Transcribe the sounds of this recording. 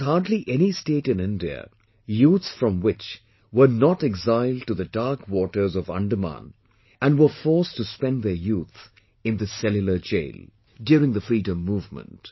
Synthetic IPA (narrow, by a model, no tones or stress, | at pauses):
haɹdliʔɛnisteːtɨ̃nɪ̃ndiə̰ | juːt̪sfɹʌ̃mwɪt͡ʃ | wə˞nɔʈɛɡzaɪl̚ˠʈuðədaɹkwɔːʈə˞zɔvʌ̰̃nɖəmã̰n | ʔæ̃nwə˞fɔɹstuspɛ̃nðə˞juːt̪ | ɨ̃nðɨsɛljʊlə˞d͡ʒḛɪl | djʊːɾɪ̃ŋðəfɹiːdə̃mːuːvmə̰̃nt